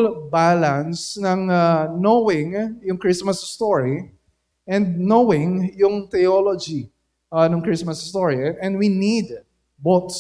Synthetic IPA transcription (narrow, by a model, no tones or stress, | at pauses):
lbalɐnsnɐŋnowɪŋjʊŋkɹismɐsst̪oɹi | ʔɛ̃nd̪̚nowɪ̃ŋjʊŋt̪ɛjolod͡ʒi | nɔŋkɹismɐsst̪oɹiɛ̃nd̪winid̪̚ | bot̪s